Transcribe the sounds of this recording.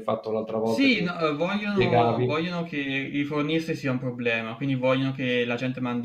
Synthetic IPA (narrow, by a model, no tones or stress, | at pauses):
fat̪ːounalt̪ɾavɔsinɔvɔʎːonoeɡaːvivɔʎːonokʰeifornist̪isiːaumpɾoblɛːmakwind̪ivɔʎːonokelad͡ʒɛnt̪emand̪